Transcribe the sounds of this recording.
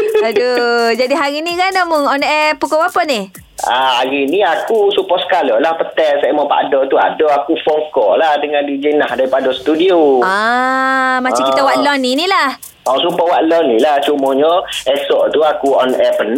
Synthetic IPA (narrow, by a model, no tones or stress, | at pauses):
ədəd͡ʒadiɦaɾinikanamʊŋɔnɛpukɔwapəni | aaɾiniakusupɔsə̥kalɔlahpət̪ɛʔsamɔpa̰dɔt̪ua̰dɔakufɔŋkɔlahdəŋãndid͡ʒənahdaɾipadɔsə̥t̪udiua | mat͡ʃamkit̪awaʔlɔninilah | ɔsupɔwaʔlɔnːilaht͡ʃumɔɲɔɛsɔʔt̪uakuɔnɛpən